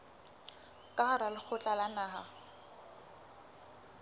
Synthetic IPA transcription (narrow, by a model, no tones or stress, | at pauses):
kʼaɾalɪk͡xʰʊt͡ɬʼalanaːɦa̰